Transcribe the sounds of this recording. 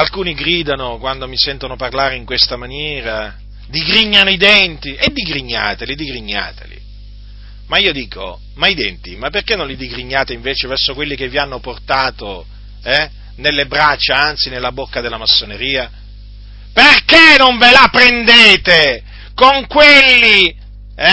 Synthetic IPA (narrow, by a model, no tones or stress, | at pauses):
alkuːniɡɾiːd̪anokwand̪omisɛnt̪onoparlaːɾeiŋkwest̪amanjɛːɾa | d̪iɡɾiɲːanoid̪ɛnt̪iʔed̪ːiɡɾiɲːa̰ːt̪elid̪iɡɾiɲːa̰ːt̪ḛlḭ | maiːod̪iːko̰ | maid̪ɛ̰nt̪ḭmapːerkenːõnlid̪iɡɾiɲːaːt̪eiɱveːt͡ʃevɛrsokwelːikevːianːoport̪aːt̪o | ɛ | nelːebɾat͡ʃːaant̪sinelːabokːad̪elːamasːoneɾiːa | perkenoɱvelapɾend̪eːt̪e | koŋkwelːi | ɛ